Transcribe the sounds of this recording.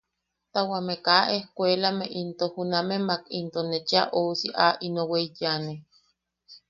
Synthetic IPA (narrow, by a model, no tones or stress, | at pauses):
t̪awamekaʔehkʷelameʔint̪ohunamemakint̪onet͡ʃaʔosiʔaʔinoweijane